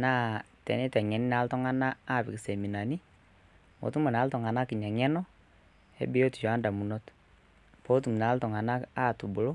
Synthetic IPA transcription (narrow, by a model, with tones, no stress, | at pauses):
na˦tɛ̰˨nɛ˦tɛ˨ŋɛ˨ni˦na˨˦ltɔ˦ŋa˦na˦a˦˨bi˨se˨mi˨na˨ni˦ | mɔ̰˨tu˦ma˨na˨˦ltɔ˨ŋa˨na˦ki˨ɲa˨ŋɛ˦nɔ˦ | ɛ̰˨˦bi˦o˦ti̥˨ʃɔ˨a˦nda˨mu˨nɔ˦t | po˦t̬u˨m˨na˨˦ltɔ˨ŋa˨na˦ka˦˨tu˨bu˨lo˦